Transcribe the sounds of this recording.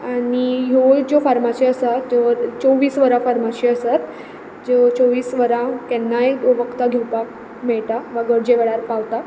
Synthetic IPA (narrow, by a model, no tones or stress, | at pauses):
aɽ̃iɦod͡ʑofaɾmaɕiəsat̪d͡ʑeʋəɾt͡soʋiːsʋəɾãfaɾmaɕiəsat̪ | d͡ʑeʋəɾt͡soʋiːsʋəɾãkɛnːajd̪oʋəkt̪aɡʱewpak̚ | mɛɭt̪aʋaɡəɽd͡ʑeʋɛɭaɾpaʋt̪a